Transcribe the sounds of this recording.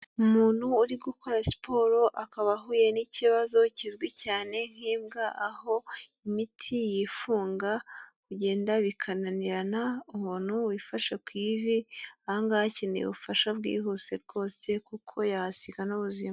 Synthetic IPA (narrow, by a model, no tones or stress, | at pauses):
umuːn̥huːɾiɡukʰo̞ɾasi̥pʰo̞ːɾo̞ʔakaβaɦuje̞niciβazo̞cizɡwicaːne̞ŋ̥iːmɡaʔaho̞imitʰijifuːŋɡakuɟe̞ːndaβikʰananiɾanaumuːnhuwifaʃakwiːviahaŋɡahacinḭβṵfaʃab̚ɡḭːɦuse̞ɾɡ̥o̞ːse̞kukʰo̞jahasiɡanuβuzima